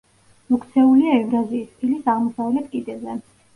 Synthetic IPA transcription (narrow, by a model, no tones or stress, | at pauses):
mɔkʰt̪sʰɛuliaɛvɾaziːspʰilisaʁmɔsavlɛt̪kʼid̪ʼɛzɛ